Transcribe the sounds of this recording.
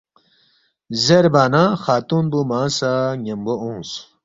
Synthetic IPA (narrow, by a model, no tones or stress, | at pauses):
zeɾbaːnãxaːt̪unbumaːsaŋemboõːs